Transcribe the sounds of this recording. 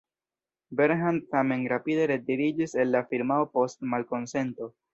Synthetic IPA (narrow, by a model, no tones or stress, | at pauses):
beɾɦantame̞nɾapide̞ɾediɾid͡ʒise̞lːafiɾmaopo̞stmalko̞nse̞nto̞